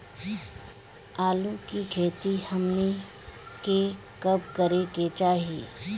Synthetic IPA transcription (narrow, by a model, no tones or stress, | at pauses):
aːlukikʰeːt̪ihɐmne | ke | kɐb̚kəɾeket͡ʃaːɦiː